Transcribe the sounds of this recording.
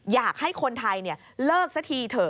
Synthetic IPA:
jaː˨˩k̚ha˥˩jkʰo˧nt̪ʰa˧jni˥˩ɐ | lɤː˥˩k̚sa˧˦˥t̪ʰiː˧t̪ʰɤː˨˩

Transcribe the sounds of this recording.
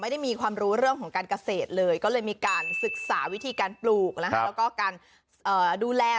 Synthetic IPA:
ma˥˩jda˥˩jmiː˧kʰwaː˧mɾuː˦˥ɾɯ˥˩əŋkʰɔː˩˦ŋkaː˧nka˧seː˨˩t̪̚lɤː˧jkɔː˥˩lɤː˧jmiː˧kaː˧nsɯ˨˩k̚saː˩˦wi˦˥t̪ʰiː˧kaː˧npluː˨˩k̚na˦˥kʰɛ˦˥wkɔː˥˩kaː˧n | ʔɤː˨˩duː˧lɛː˧

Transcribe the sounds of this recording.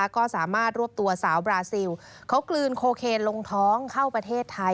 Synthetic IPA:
kɔː˥˩saː˩˦maː˥˩t̪̚ɾu˥˩əp̚t̪u˧ɐsaː˩˦wbɾaː˧si˧w | kʰa˦˥wklɯː˧nkʰoː˧kʰeː˧nlo˧ŋt̪ʰɔː˦˥ŋkʰa˥˩wpɾa˧t̪ʰeː˥˩t̪ʰːa˧

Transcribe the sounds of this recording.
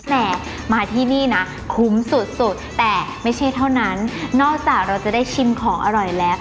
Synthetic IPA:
nɛː˨˩ | maː˧t̪ʰiː˥˩niː˥˩na˦˥ | kʰu˦˥msu˨˩t̪̚su˨˩t̪̚ːɛː˨˩ma˥˩jt͡ɕʰa˥˩jt̪ʰa˥˩wna˦˥nːɔː˥˩k̚t͡ɕaː˨˩k̚ɾa˧wt͡ɕa˨˩daː˥˩jt͡ɕʰi˧mkʰɔː˩˦ŋʔa˧ɾɔ˨˩jlɛː˦˥w

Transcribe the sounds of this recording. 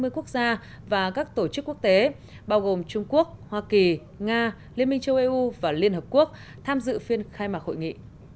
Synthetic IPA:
mɨ˧əjku˦˥ək̚zaː˧ | vaː˨˩kaː˦˥k̚t̪o˧˩t͡ɕɨ˦˥kːu˦˥ək̚t̪e˨˦ | ɓaː˧wɣo˨˩mt͡ɕʊ˧ŋ͡mku˦˥ək̚hwaː˧ki˨˩ | ŋaː˧ | li˧əmï˧ŋ̟t͡ɕə˧wʔi˧ʔu˧vaː˨˩li˧ənhəː˨˩p̚ku˦˥ək̚ | t̪ʰaː˧mzɨ̰˧˨fi˧ənxaː˧jmaː˨˩k̚ho̰˧˨jŋḭ˧˨

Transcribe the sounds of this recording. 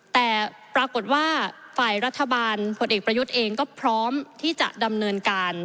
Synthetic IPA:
t̪ɛː˨˩ | pɾaː˧ko˨˩t̪̚waː˥˩ | faː˨˩jɾa˦˥t̪ʰːa˧baː˧npʰo˧nʔeː˨˩k̚pɾa˧ju˦˥t̪̚ʔeː˧ŋkɔː˥˩pʰɾɔː˦˥mt̪ʰiː˥˩t͡ɕa̰˨˩ʔda˧mnɤː˧nkaː˧n

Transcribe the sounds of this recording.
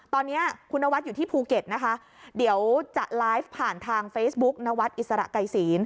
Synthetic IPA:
t̪ɔː˧nːi˦˥ɐkʰu˧nːa˦˥wa˦˥t̪̚juː˨t̪ʰiː˥˩pʰuː˧ke˨˩t̪̚na˦˥kʰa˦˥ | di˩˦əwt͡ɕa˨˩ʔlaː˦˥jfpʰːaː˨˩nt̪ʰaː˧ŋfeː˦˥sbu˦˥k̚na˦˥wa˦˥t̪̚ʔi˨t̪̚sa˧ɾa̰˨˩ʔka˨˩jsiː˩˦n

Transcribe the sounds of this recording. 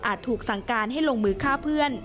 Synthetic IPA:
ʔaː˨˩t̪ʰːuː˨˩k̚sa˩˦ŋkaː˧nɦa˥˩jlo˧ŋmɯː˧kʰaː˥˩pʰɯ˥˩ən

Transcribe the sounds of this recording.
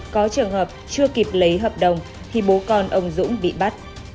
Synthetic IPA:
kɔ˨˦t͡ɕɨ˨˩əŋhəː˨˩p̚t͡ɕɨ˧əki˨˩p̚lə˨˦jɦəː˨˩p̚ɗə˨˩wŋ͡m | t̪ʰi˨˩ɓo˨˦kɔ˧nʔə˧˩wŋ͡mzʊ̰˧˥ŋ͡mɓḭ˧˨ɓa˦˥t̚

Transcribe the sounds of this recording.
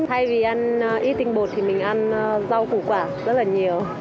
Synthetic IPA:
t̪ʰa˧jvi˨˩ʔa˧n˧ʔi˦˥t̪ï˧ŋ̟ɓo˨˩t̚t̪ʰi˨˩mï˨˩ŋ̟ʔa˧nza˧wku˧˩kwaː˧˩zə˦˥t̚laː˨˩ɲi˨˩əw

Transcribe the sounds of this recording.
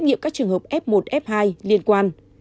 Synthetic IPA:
t̚ŋḭ˧˨mkaː˦˥k̚t͡ɕɨ˨˩əŋhə˨˩p̚ʔɛ˦˥p̚mo˨˩t̚ʔɛ˦˥p̚haː˧jli˧ənkwaː˧n

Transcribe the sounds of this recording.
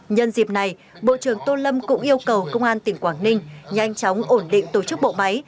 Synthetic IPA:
ɲə˧nzi˨˩p̚na˨˩j | ɓo̰˧˨t͡ɕɨ˧˩əŋt̪o˧lə˧mkʊ̰˧˥ŋ͡mʔi˧əwkə˨˩wkə˧wŋ͡mʔaː˧nt̪ï˨˩ŋkwaː˧˩ŋnï˧ŋ̟ɲa˧jŋ̟t͡ɕɔ˨˦wŋ͡mʔo˧˩nɗḭ̈˧˨ŋ̟t̪o˧˩t͡ɕɨ˦˥k̚ɓo̰˧˨ma˨˦j

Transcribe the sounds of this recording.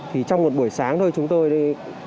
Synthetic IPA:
t̪ʰi˨˩t͡ɕɔ˧wŋ͡mmo˨˩t̚ɓu˧˩əjsaː˨˦ŋt̪o˧jt͡ɕʊ˨˦ŋ͡mt̪o˧jɗe˧˦

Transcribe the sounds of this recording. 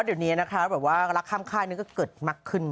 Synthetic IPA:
di˨˩ni˦˥ɐ˧na˦˥kʰɾa˦˥bɛː˨˩p̚waː˥˩ɾa˦˥kʰːaː˥˩mkʰaː˥˩jni˧˥˩kɔː˥˩kɤː˨˩t̪̚ma˦˥kʰːɯ˥˩n

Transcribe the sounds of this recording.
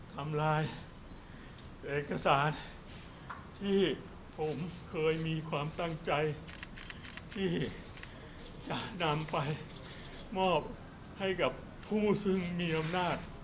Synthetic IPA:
t̪ʰa˧mlaː˧j | ʔeː˨˩t̚kːa˧saː˩˦n | t̪ʰiː˥˩ | pʰo˩˦mkʰɤː˧jmiː˧kʰwaː˧mt̪a˥˩ŋt͡ɕa˧j | t̪ʰiː˥˩ | t͡ɕa˨˩na˧mpa˧j | mɔː˥˩p̚ | ha˥˩jka˨˩pʰːuː˥˩sɯ˥˩ŋmiː˧ʔa˧mnaː˥˩t̪̚

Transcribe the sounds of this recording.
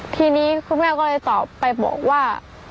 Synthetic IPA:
t̪ʰiː˧niː˦˥kʰu˧˥nŋaː˥˩wkɔː˥˩lɤː˧jt̪ɔː˨˩pːa˧jbɔ̰ː˨˩k̚waː˥˩

